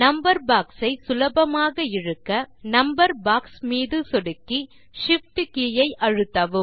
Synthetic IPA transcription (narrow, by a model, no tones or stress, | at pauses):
nɐmbɐɾbaːksɐɪsʊlɐbɐmaːɣɐɪɻɯkːɐnɐmbɐɾbaːksmiːðɯsɔɽɯkːi | ʂɪfʈɯkijɐɪʔɐɻɯt̪ːɐʋɯ